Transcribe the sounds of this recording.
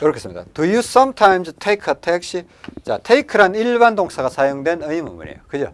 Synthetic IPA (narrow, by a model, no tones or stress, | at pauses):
kɯɾʌkʰesɯmɲid̥̪a̰tujus͈ʌmtʰajmstʰejkʰʌtʰek̚ɕ͈i | t͡ɕa̰tʰeikʰɯɾaniɭbandoŋsʰaɡasʰajoŋdwe̞nɯimɯ̰mṵɲḛjokɯd͡ʑo̰